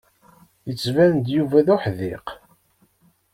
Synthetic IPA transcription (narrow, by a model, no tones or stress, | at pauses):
jət͡sːvænnd̪juvæðʊħðɪq